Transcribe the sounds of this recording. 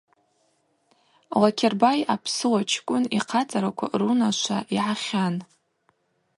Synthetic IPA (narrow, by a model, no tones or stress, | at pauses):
lakʰʲerbajapʰsɨwat͡ʃʰkʷʼʊniqʰat͡sʼaɾakʷʰa̰runaʃʷa̰ʔiʕaχʲan